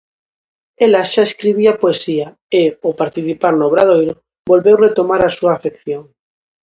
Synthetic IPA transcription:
elaʃaeskɾiβ̞iapoesia | eopaɾt̪iθipaɾnoβ̞ɾaðojɾo | bolβewret̪omaɾasuaːfekθjoŋ

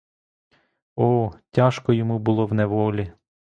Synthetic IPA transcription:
ɔtʲaʃkɔjɔmubʊlˠɔwnɛʋɔlʲi

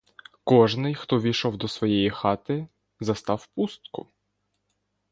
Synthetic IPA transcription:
kɔʒnɪjxt̪ɔʋʲijʃɔwd̪ɔsʋɔjɛjixɑt̪ɪ | zɐst̪ɑwpust̪kʊ̰

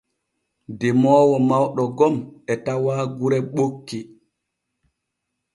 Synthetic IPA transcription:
dɛmɔːwɔmawɗɔɡɔmɛtawaːɡuɾɛɓokːi

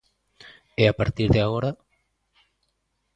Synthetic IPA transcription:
eapaɾt̪iɾðeaɣoɾa

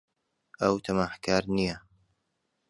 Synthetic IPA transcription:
ʔɐwt̪ʰɐmaːħkaːɾnijɐ

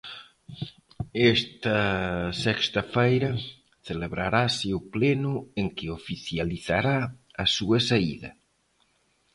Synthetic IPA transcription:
est̪ɐsɛkst̪ɐfejɾɐ | θeleβɾaɾasɪʊplenʊeŋkɪofiθjaliθaɾaːsuɐsaiðɐ̰

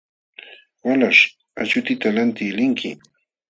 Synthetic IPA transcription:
walaʂ | at͡ʃʊt̪ɪt̪alant̪ɪːlɪŋkʰɪ̰

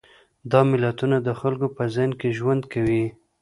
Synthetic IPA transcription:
d̪ɑmɪlat̪unad̪əxalkopəzajnkeʒwand̪kawi

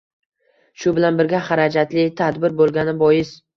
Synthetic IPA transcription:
ʃʊbɪlanbɪɾɡʲahaɾad͡ʒat̪lɪt̪ʰad̪bɪɾbolˠɡʲanɪbɒjɪz

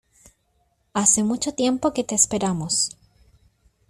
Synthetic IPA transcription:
ase̞mut͡ʃo̞t̪je̞mpo̞ke̞t̪eːspe̞ɾamos

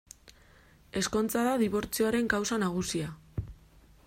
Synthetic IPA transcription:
e̞sko̞nt͡saðaðiβo̞ɾt͡sioaɾe̞ŋkawsanaɣ̞usia

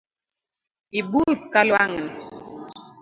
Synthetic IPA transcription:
ibuθkalwaŋn

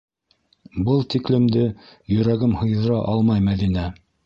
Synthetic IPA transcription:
bɤlˠt̪iklɘ̆md̪ɘjɵ̆ɾæɡɘmhɤ̆jðɤ̆ɾɑʔɑlˠmɑjmæðinæ

